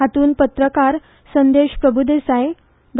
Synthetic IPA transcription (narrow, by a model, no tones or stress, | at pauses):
ɦat̪uːnpət̪ɾəkaɾ | sənd̪eɕpɾəbʱud̪esaj | ɡ